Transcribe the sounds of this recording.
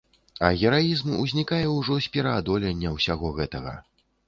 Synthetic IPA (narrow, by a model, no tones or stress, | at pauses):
ɐɣʲɛɾajizmuzʲnʲikajɛwʐɔsʲpʲɛɾɐad̪ɔlʲɛnʲːɐwsʲaɣɔɣɛt̪ɐɣɐ̰